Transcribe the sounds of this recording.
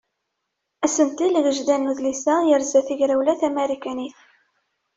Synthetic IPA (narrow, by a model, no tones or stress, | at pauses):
æsənt̪ilʝəʒd̪ænːuðlisæjəɾzæθiʝɾæwlæθæmeɾikæniθ